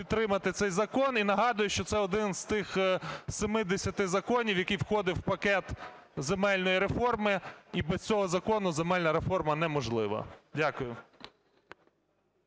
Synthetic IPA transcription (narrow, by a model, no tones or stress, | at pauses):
pʲit̪t̪ːɾɪmɐt̪ɪt̪sɛjzɐkɔninɐɦɑd̪ʊjʊʃt͡ʃɔt̪sɛɔd̪ɪnz̥t̪ɪxsemɪd̪esʲɐt̪ɪzɐkɔnʲiwjɐkijwxɔd̪ɪwwpɐkɛt̪ | zemɛlʲnɔjiɾefɔrmɪibɛstt͡sʲɔɦɔzɐkɔnʊzemɛlʲnɐɾefɔrmɐnɛmɔʒlˠɪʋɐ̰dʲakʊjʊ